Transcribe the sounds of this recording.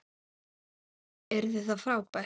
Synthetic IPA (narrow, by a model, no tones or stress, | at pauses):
ɛɾðɪθaðfɾaːwpa